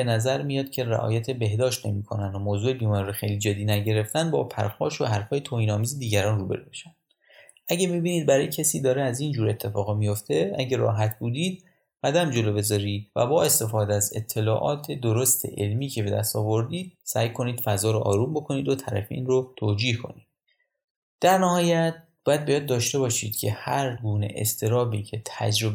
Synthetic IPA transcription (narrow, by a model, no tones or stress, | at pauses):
benæzæɾmijɒd̪̥cʰe̞ræ̰ʔɒ̰ːjæt̪ʰe̞be̞hd̪ɒːʃt̪ne̞mikʰo̞nænd̪omoːzuːebiːmɒnɾoxejliːd͡ʒed̪ːiːnæɟeɾe̞ft̪ænd̪bɒ̰ːpʰæ̰ɾxɒːʃohæɾfɒːjet̪ʰoːhiːnɒːmiːzed̪iːɟæɾɒːnruːbe̞ɾube̥ʃænd | ʔæɟæmibiːniːd̪̚bæɾɒːjecʰesiːd̪ɒːɾeæziːnd͡ʒuːɾe̞t̪ʰːe̞fɒːɣmijo̞ft̪ʰe̞æɟeɾɒ̰ːɦæt̪ʰbuːd̪iːd̪̥̚ | ɢ̥æd̪æmd͡ʒe̞loːbe̞zɒːɾiːvæ̰bɒːe̞st̪e̞fɒːd̪eze̞̰t̪ʰːe̞lɒːʔɒːt̪ʰed̪oɾo̞st̪ʰe̞̰ʔelmiːcʰe̞be̞d̪æ̰st̪ɒːvo̞ɾd̪iːd̪̥̚sæjkʰo̞niːd̪̥fæzɒːɾoʔɒ̰ːɾuːmbo̞kʰo̞niːd̪ot̪ʰæɾæ̰feiːnɾot̪ʰoːd͡ʒiːhkʰo̞̰niːd̪ | d̪̥æɾnæhɒːjæt̪̚b̥ɒːjæd̪̚bejɒd̪̚ːɒːʃt̪e̞bɒːʃiːd̪̥cʰe̞hæɾɡuːnḛʔḛst̪ʰe̞ɾɒːbicʰe̞t̪ʰæ̰d͡ʒɾo